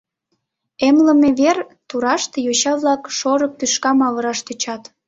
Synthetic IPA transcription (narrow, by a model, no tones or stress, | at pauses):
emlə̆meβert̪uɾɑʃt̪ejoɕɑβlɑkʃoɾək̚p̪yʃkɑmɑβəɾɑʃt̪øt͡ɕɑt̪